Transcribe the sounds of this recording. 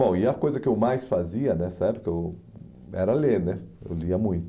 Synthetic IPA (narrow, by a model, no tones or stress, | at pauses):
bõw̃ɪɐkojzɐkɪewmajsfaziɐnɛsaɛbɪkɪew | ɛ̰ɾɐlenɛḛwliɐmũj̃t̪